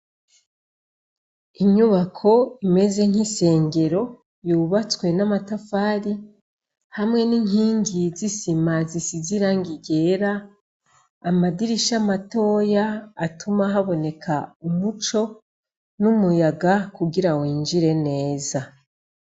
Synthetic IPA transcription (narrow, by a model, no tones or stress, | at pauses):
iɲuβakʰo̞ime̞ze̞ŋ̥hise̞ːŋɡe̞ɾo̞ | juːβat͡swe̞namatafaːɾi | hamŋe̞niŋiːŋɡizisimazisiziɾaŋɡiɡe̞ːɾaː | madiɾiʃamato̞ːjaːtumaɦaβo̞ne̞kʰaumut͡ʃo̞ | numujaɡakuɡiɾawiːnd͡ʒiɾe̞ne̞ːza